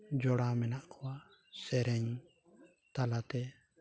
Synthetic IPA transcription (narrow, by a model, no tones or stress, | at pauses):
d͡ʒɔɽamɛnaʔkʰɔwa | sɛɾɛɲ | t̪alat̪ɛ